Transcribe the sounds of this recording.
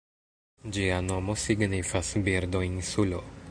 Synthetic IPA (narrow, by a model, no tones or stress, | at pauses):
d͡ʒiano̞mo̞siɡnifasbiɾdo̞insulo̞